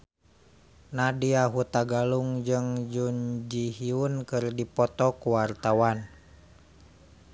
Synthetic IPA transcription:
nadiaɦut̪aɡaluŋd͡ʒɨŋd͡ʒuɲd͡ʒiɦiunkɨrdipɔt̪ɔkuwart̪awan

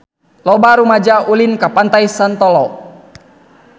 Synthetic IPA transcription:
lɔbaɾumad͡ʒaulinkapant̪ajsant̪ɔlɔ

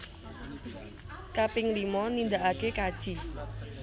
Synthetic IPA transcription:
kapɪŋlimɔnind̪aʔakekad̥ʒ̥i

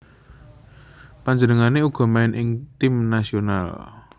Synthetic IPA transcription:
paɲd͡ʒənəŋaneuɡ̥ɔ̤maɪnʔɪŋt̪ɪmnasiona̰l

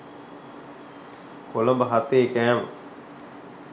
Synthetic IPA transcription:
koləmbəɦat̪eːkæːʋə̰

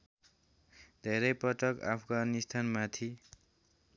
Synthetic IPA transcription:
d̪ʱeɾʌjpʌʈʌka̰pʰɡanist̪ʰanmat̪ʰi

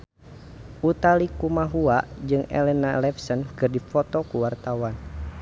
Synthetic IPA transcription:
ʔut̪alikumaɦuaʔd͡ʒɨŋɛ̰lɛnalɛfsənkɨrdifɔt̪ɔkuwart̪awan

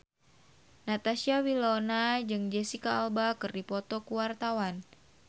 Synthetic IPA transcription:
nat̪asiawilɔnad͡ʒɨŋd͡ʒɛsikaːlbakɨrdipɔt̪ɔkuwart̪awan

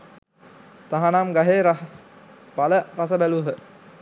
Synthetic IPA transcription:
t̪aɦanamɡaɦeɾ | baləɾasəbæluɦə

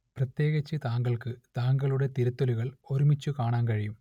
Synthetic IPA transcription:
prɐt̪je̞ːɣɐt͡ɕːɨt̪aːŋɡɐɭkɨt̪aːŋɡɐɭuɽe̞t̪iɾɐt̪ːoluɣɐɭo̞ɾumit͡ɕːukaːɳaːnkɐɻijum

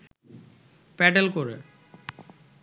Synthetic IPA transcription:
pɛʈelkoɾḛ

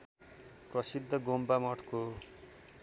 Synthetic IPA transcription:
prʌsid̪ʱːʌɡombamʌʈko

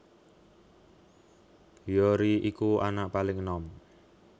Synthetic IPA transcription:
bijɔɾiʔikua̰naʔpalɪŋənɔm

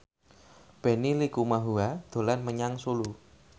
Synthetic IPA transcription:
b̥e̤nilikumaɦuad̪̥o̤lanməɲaŋsulu

